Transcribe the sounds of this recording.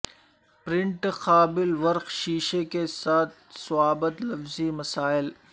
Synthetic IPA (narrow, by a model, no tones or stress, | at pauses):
pɾɪ̃ɳʈxaːbɪlʋɐɾqʃiːʃekesaːt̪̚ʰsʊaːbət̪lɐfzimɐsaːɪl